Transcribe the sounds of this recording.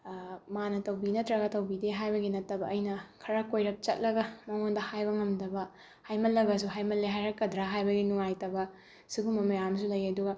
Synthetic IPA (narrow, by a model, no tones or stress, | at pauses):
manɐtɐwbinɐtɾɐɡɐtɐwbideɦajbɐɡinɐtːɐbɐʔːjnɐkʰɐɾɐkojɾɐk̚t͡ʃɐt̚lɐɡɐmɐŋondɐhajbɐŋɐmdɐbɐ | hajmɐlːɐɡɐs̬uɦajmɐleɦajɾɐkːɐdɾaɦajbɐɡinuŋajtɐbɐ | siɡumɐmɐjamsulɐjɐduɡɐ